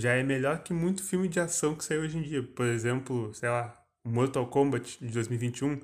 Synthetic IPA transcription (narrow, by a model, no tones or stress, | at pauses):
ʒaɛmeʎɔɾkɪmũj̃t̪ʊ̥fiwmɪd͡ʒɪasɐ̃w̃kɪ̥saiwoʒẽd͡ʒiɐpoɾezẽmplʊsejla | moɾt̪okõmbɐt͡ʃɪ̥d͡ʒɪd̪ojzmiuwjvĩnt͡ʃɪũ